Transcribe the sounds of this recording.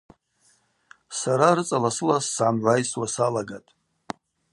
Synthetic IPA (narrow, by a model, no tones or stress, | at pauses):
saɾarɨt͡sʼalasɨlasːʕamʕʷajswasalaɡatʼ